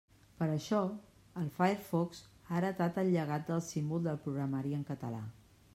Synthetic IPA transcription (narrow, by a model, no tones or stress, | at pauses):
pəɾəʃɔ | əlˠfaeɾfɔksaɾət̪at̪əlʎəɣ̞at̪̚d̪əlˠsimbulˠd̪əlpɾuɣɾəmaɾiəŋkət̪əla̰